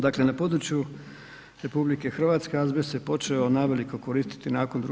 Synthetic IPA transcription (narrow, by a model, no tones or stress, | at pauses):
d̪akle̞napo̞d̪ɾut͡ʃju | ɾe̞publikexr̩ʋaːt̪ske̞azbesepo̞t͡ʃeonaʋe̞liko̞ko̞ɾiːst̪i̥t̪inaːkond̪ɾu